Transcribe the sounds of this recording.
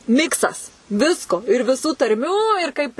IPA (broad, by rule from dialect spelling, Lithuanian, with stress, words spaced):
ˈmʲɪksɐs ˈʋʲɪskoː ɪr ʋʲɪˈsuː tɐrʲˈmʲuː ɪr ˈkɐɪp